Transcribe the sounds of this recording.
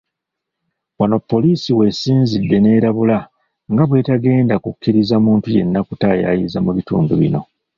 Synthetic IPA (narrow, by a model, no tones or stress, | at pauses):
wano̞pːo̞liːsiwe̞siːnzidːe̞ne̞ːɾaβula | ŋɡaβwe̞taɡe̞ːndakukʰːiɾizamuːntuje̞nːakutaja̰jizamuβitṵːnduβḭno̞̰